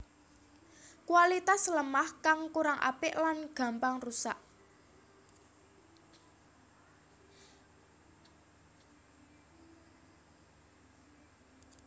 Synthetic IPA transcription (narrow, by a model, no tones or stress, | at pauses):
kuwalit̪asləmahkaŋkuɾaŋʔa̰pɪʔlanɡ̥ä̤mpaŋrusaʔ